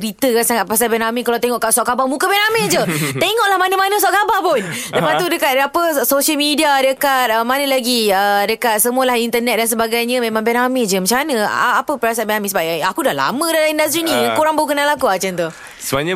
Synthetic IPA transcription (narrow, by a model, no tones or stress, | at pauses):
ɾit̪əkansaŋat̪̚pasalbɛnamikalawt̪eŋɔʔkaʔsɔʔkabamũkəbɛnamed͡ʒət̪eŋɔʔlahmanəmanəsɔʔkabapʊnləpat̪udəkat̪̚apəsoʃəlmidiadəkat̪̚əmanəlaɡiədəkat̪̚səmualahint̪ənɛt̪̚dans̬əbaɡajɲə̃mẽmãŋbɛnamed͡ʒəmat͡ʃamanə̃a̰apəpəɾas̬at̪bɛnamisəbaajakudahla̰mə̃dalaindas̬t̪ɾinijaŋkoɾaŋbaukənalakuat͡ʃant̪uh | səbaɲə̃